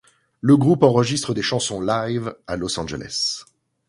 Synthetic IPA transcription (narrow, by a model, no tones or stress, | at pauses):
ləɡʁupɑ̃ʁəʒist̪χəd̪eʃɑ̃sɔ̃lajvalɔsɑ̃ʒḛlʔɛ̰s